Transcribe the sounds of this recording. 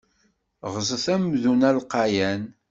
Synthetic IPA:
ʁzˤəθæmðunælqɑjæn

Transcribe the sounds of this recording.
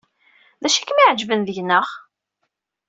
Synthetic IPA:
ðæʃækːmiʕd͡ʒvənðəʝnːəʁ

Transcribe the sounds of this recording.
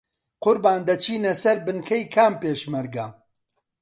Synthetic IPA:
qʊɾbaːnd̪ɐt͡ʃʰiːnɐsɐɾbɨnkʰɐjkʰaːmpeːʃmɐɾɡɐ

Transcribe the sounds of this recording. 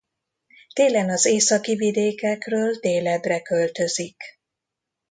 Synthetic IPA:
t̪eːlɛnɒzeːsɒkivid̪eːkɛkrøːld̪eːlɛd̪rɛkø̞lt̪ø̞zik

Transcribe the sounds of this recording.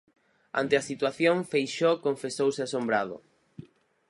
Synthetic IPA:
a̰nt̪easit̪waθjõŋfejʃokõɱfesowseasombɾaðʊ̰

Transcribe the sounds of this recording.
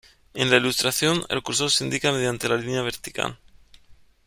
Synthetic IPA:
enlailust̪ɾaθjonḛlkuɾsosind̪ikame̞ðjant̪e̞lalinjaβe̞ɾt̪i̥ka̰n

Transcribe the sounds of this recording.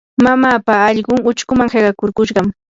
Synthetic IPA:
mamaːpaːʎɢʊŋʊt͡ʃkʊmaŋheɢɑkʊɾkʊʃɢɑm

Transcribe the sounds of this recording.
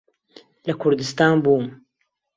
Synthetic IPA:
lɐkʰʊɾd̪ɨst̪aːnbuːm

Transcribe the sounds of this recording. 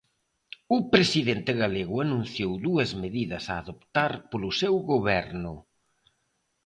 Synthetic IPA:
ʊpɾesiðent̪ɪɣaleɣʊanũn̟θjowðuɐzmeðiðɐsaːðopt̪aɾpolʊsewɣoβɛɾnʊ

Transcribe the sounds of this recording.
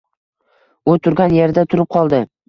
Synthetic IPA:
ʊt̪ʰʊɾɡʲanje̞ɾd̪at̪ʰʊɾɪp̚qʰɒlˠd̪ɪ

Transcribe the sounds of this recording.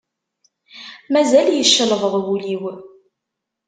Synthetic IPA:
mæzæljəʃːələðˤəðˤwuliw

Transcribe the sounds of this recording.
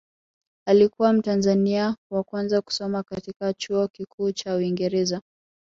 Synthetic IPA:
alikuwam̩tanzaniawakwanzaku̥sɔmakatikat͡ʃuɔkikʰuːt͡ʃauiŋɡɛɾɛza

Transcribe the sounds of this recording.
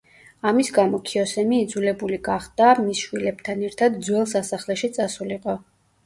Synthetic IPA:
amisɡamɔkʰiɔsɛmiːd̪zulɛbuliɡaχd̪amisʃwilɛbt̪ʰanɛɾt̪ʰad̪d̪zwɛlˠsasaχlɛʃit̪sʼasuliqʼɔ

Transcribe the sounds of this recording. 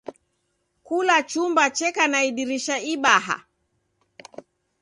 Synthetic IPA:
kulat͡ʃumbat͡ʃɛkanaiɗiɾiʃaiɓaɦa̰

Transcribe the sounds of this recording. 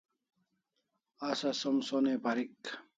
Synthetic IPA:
asɐsomsonepaɾik

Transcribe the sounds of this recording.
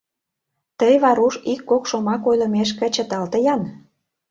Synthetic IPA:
t̪əjβɑɾuʃikːokʃomɑkojlə̆meʃ̬kə̆t͡ɕə̆t̪ɑlt̪ə̆jɑn

